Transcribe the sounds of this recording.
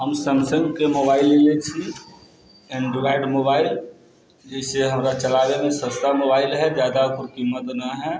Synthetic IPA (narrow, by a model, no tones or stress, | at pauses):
ɦəmsəmsə̃ŋɡkemoːbaːɪlːelet͡ʃʰi | ɛ̃ɳɖɪʋaːɪɖmoːbaːɪl | d͡ʒɛːseɦəmɾat͡ʃəlaːʋemẽsəst̪amoːbaːɪlɦɛd͡ʒjaːd̪akʊɾkiməd̪nəɦɛː